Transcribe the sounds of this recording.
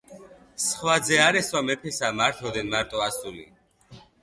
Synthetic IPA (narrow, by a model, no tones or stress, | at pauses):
sχwad̪zɛaɾɛswamɛpʰɛsamaɾt̪ʰɔd̪ɛnmaɾt̪ʼɔasulḭ